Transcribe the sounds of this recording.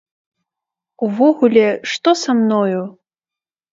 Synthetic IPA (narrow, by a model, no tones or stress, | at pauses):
uvɔɣulʲɛʂt̪ɔsamnɔju